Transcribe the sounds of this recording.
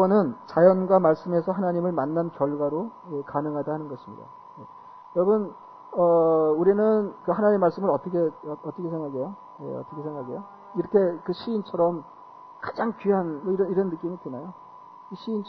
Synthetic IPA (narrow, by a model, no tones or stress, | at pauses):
ʌnɯnt͡ɕajʌnɡwamaɭs͈ɯme̞sʰʌɦanaɲimɯɭmanːant͡ɕʌɭɡwaɾoekanɯŋɦadahanɯnɡʌɕʰimɲḭda̰ | je | jʌɾʌbɯn | ʌuɾinɯnkɯhanaɲimmːaɭs͈ɯmɯɾʌt͈ʌkʰeʌt͈ʌkʰesʰeŋɡaɡejo | jeʌt͈ʌkʰesʰeŋɡaɡejo | iɾʌkʰe̞kɯɕʰiːnt͡ɕʰʌɾʌm | kad͡ʑaŋkɥiɦanmʌiɾʌniɾʌnːɯk͈imitenajo | iɕʰiint͡ɕʰ